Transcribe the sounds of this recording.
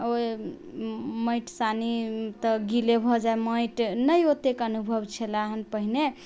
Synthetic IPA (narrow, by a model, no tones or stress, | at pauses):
o | məjʈsanit̪əɡilebʱɔd͡ʒaeməjʈnəjot̪ekənubʱəbt͡ʃʰelaaɦənpəɦine